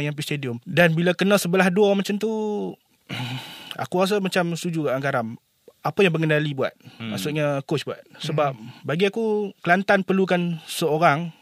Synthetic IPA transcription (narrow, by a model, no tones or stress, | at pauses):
ŋjaŋp̬ist̪ediɔmdanbilakənə̃səbəlahduɔmat͡ʃamt̪u | a̰kuɣas̬amat͡ʃamst̪ud͡ʒukaʔaŋɡaɾam | apəjaŋbəŋənalibua̰t̪̚maʔsuʔɲakot͡ʃbuat̪̚səbap̚baɡiakukəlant̪anpərlukansəoɾaŋ